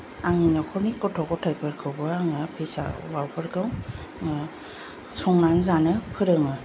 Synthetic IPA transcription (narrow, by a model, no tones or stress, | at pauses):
aŋinakʰɔnikɔtʰɔkɔtʰajpʰɯɾkʰɯwbɯaŋapʰesa̰wawpʰɯɾkʰɯwŋa | sɔŋnanzanɯpʰɯɾɯŋɯ